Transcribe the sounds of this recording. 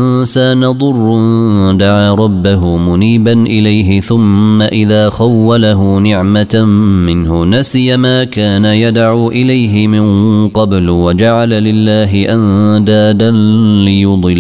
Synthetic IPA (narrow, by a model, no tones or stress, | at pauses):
nsaːnɑðˤʊrˤːd̪aʕaːɾˤɑbːaɦʊmʊniːbanʔɪlajɦɪθʊmːaʔɪðaːxawːalaɦʊnɪʕmamɪnhʊnasɪjamaːkaːnajad̪ʕuːʔɪlajɦɪmɪnqɑblwad͡ʒaʕalalɪlːaːɦɪʔan | d̪aːd̪an | lɪjʊd̪ˤɨl